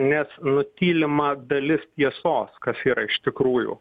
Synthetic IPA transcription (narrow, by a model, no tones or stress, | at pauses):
nʲɛsnʊt̪ʲiːlʲɪmɐd̪ɐlʲɪst̪ʲiɛsoːskɐsiːɾɐɪʃt̪ʲɪkɾuːjṵː